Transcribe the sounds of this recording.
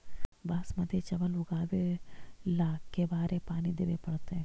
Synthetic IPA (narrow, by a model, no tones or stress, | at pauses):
baːsməd̪ʱet͡ʃɐʋəlʊɡaːbelaːkkːebaːɾepaːnid̪eʋepɐɽt̪eɦɛ̃